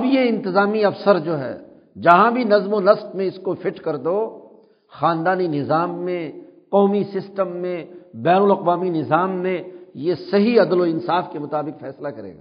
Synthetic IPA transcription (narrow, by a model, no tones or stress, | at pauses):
ɐbjeɪ̃nt̪ɪzaːmiɐfsəɾd͡ʒoːɦɛ̰ː | d͡ʒɐɦãbʱinɐzmonɐsbmẽɪskofɪʈkɐɾd̪oː | xaːnd̪aːninɪzaːmːẽqɔːmisɪsʈəmːẽbɛːnʊlɐqʋaːminɪzaːmːẽjesɐɦiɐd̪loɪnsaːfkemʊt̪aːbɪqfɛːslakɐɾḛːɡa̰ː